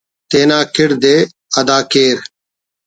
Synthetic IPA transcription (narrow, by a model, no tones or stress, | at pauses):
t̪eːnaːkʰɪɽd̪eː | əd̪aːkeːɾ